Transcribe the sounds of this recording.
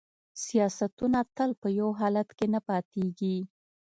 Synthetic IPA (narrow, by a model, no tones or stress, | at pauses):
sijɑsat̪unat̪əlpəjawɦɑlat̪kenapɑt̪eɡi